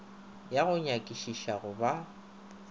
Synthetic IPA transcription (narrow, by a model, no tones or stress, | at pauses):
jaɣʊɲakʼiʃiʃaɣʊba